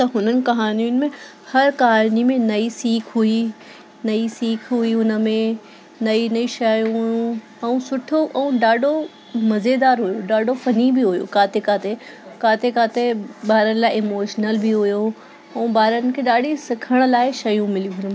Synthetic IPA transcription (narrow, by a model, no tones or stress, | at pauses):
t̪ɐɦʊnənɪ̆kɐɦaːniʊnɪ̆mẽ | hɐɾkɐɦaːnimẽnɐisiːkʰɦui | nɐisiːkʰɦuiʊnə̆mẽ | nɐinɐiʃɐjũ | ɛ̃ũsʊʈʰoʔɛ̃ũɗaːɖʱo | mɐzed̪aːɾɦujoɗaːɖʱofɐnibiɦujo̰kaːt̪ekaːt̪ekaːt̪ʰekaːt̪eɓaːɾənɪlaːɪɪmoːʃnəlbɪɦujo | ɛ̃ːbaːɾənɪ̆kʰeɗaːɖʱisɪkʰəɽ̃̆laːɪʃɐjũmɪliũɦʊnm